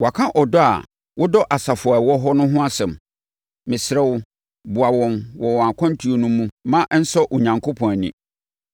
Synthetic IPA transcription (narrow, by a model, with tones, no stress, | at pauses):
wa˨kʰã˦ʔɔ˨dɔ˦a̰˨ | wʔʊ˦dɔ˦ʔa˨sa˨fʊ˨a˨wɔ˦ɦɔ˦nʊ̃˦ɦʊ̃˦a˦sɛ̃˨m | mɪ̃˨sɾɛ˦wʊ˦ | bʊ˨a˨wɔ̃˨nwɔ˨wɔ˨a˨kʰɔ̃˦n˦tʰu˦o˨nũ˦mũ˦mã˦ʔn̩˦sɔ˦ʔo˨ɲã˨ŋkʰo˦pʰɔ̃˨nḭ̃˨